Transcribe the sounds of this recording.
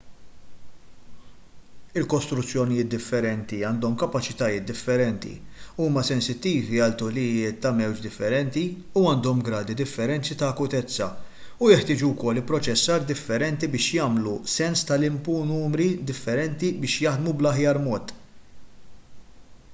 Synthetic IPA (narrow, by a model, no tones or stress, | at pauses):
ɪlkɔst̪ɾʊt͡sːjɔnɪjɪːt̪̚d̪ɪfːɛɾɛnt̪iɐːnd̪ɔmkɐpɐt͡ʃɪt̪ɐjɪːt̪̚d̪ɪfːɛɾɛnt̪ḭuːmɐsɛnsɪt̪ːiːviɐlt̪ʊlɪjɪːt̪ːɐmɛwd͡ʒd̪ɪfːɛɾɛnt̪i | uɐːnd̪ɔmɡɾɐːd̪id̪ɪfːɛɾɛnt͡sit̪ɐːkʊt̪ɛt͡sːɐ̰ | ujɛħt̪ɪːd͡ʒuwkɔlːɪpɾɔt͡ʃɛsːɐːɾd̪ɪfːɛɾɛnt̪ibɪːʃjɐːmlusɛnst̪ɐlɪmpunuːmɾid̪ɪfːɛɾɛnt̪ibɪːʃjɐħd̪mublɐħjɐːɾmɔːt̪